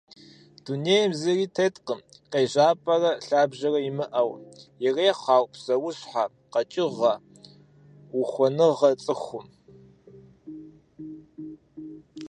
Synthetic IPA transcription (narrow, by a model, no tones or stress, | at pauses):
d̥uneːjmziriːtʰetʼqəmqeːʑaːpʼɐrɐɬaːbʑɐrɐjimɨʔɐwjɪreːqɑːwpz̥ɐwʊɕħa | qɐt͡ʃʼɪʁɐ | wʊxʷɔnɨʁɐt͡sʼɨxʷʊm